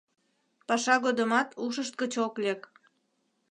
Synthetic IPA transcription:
pɑʃɑɣod̪əmɑt̪uʃəʃt̪̚kət͡ɕoklʲek

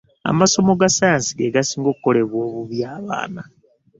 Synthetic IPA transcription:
a̰maso̞mo̞ɡasaansiɡeɡasiːŋɡo̞kkːo̞le̞βwo̞ːβuβjaːβa̰ːna

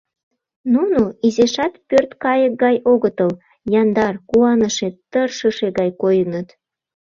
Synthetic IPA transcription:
nunoizeʃɑt̪pørt̪kɑjək̚ɡɑjoɣət̪əl | jɑnd̪ɑrkuɑnəʃet̪ərʃəʃeɣɑjkojənət̪

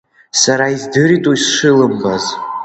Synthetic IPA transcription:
saɾaizdɨɾidʼoisʂɨlɨmbaz

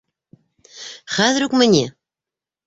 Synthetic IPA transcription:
χæðɾukmɘ̆nʲe

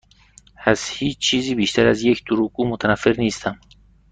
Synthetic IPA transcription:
æzhiːt͡ʃt͡ʃʰiːziːbiʃt̪ʰæɾæzjekʰd̪uɾukuːmot̪ʰanafːeɾniːst̪ʰam

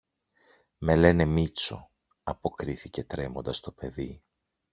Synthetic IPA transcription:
me̞le̞ne̞mit͡so̞̰ | ɐpo̞kɾiθice̞t̪ɾe̞mo̞nd̪ɐst̪o̞pe̞ði

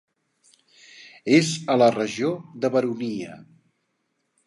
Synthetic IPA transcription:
ezələrəʒiod̪əβəɾuniə̰

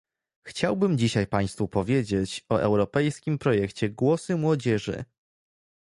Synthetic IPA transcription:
xt͡ɕawbɘmd͡ʑiɕajpaj̃st̪fupɔvʲjed͡ʑet͡ɕɔʔɛ̰wɾɔpɛjskʲimpɾɔjɛkt͡ɕɛɡwɔsɘmwɔd͡ʑɛʐɘ̰

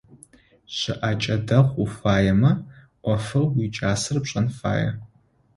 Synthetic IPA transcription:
ɕɪʔat͡ʃʼɐdɐχʷufaːjɐmɐ | ʔʷɔfɨlwit͡ʃʼaːsɨrpɕʼɐnfa̰ːjɐ̰

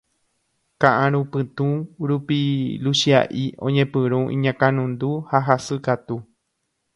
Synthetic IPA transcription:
kãʔãɾũpɨ̃t̪ũɾupilusia̰ʔḭõɲẽpɨ̃ɾũʔḭ̃ɲãkãnũnd̪uhaɦasɨkat̪u

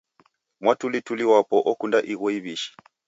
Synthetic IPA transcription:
mwatulituliwapɔʔɔkundaʔiɣɔiβiʃi̥

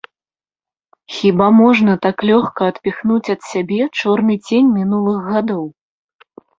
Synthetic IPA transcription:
xʲibamɔʐnɐt̪aklʲɔxkɐːt̪pʲixnut͡sʲɐt̪sʲabʲɛt͡ʂɔrnɨd͡zʲenʲmʲinulˠɨɣɣad̪ɔw

